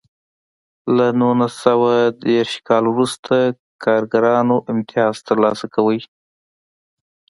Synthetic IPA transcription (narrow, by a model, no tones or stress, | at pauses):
lanunasawad̪eɾʃkɑlwɾust̪ʰa | kʰɑɾɡaɾɑnoʔɪmt̪ɪjɑz̥t̪əɾlɑsakawəj